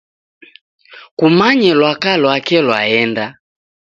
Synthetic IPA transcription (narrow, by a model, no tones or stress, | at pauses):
kumaɲɛlwakalwakɛlwa̰ɛnda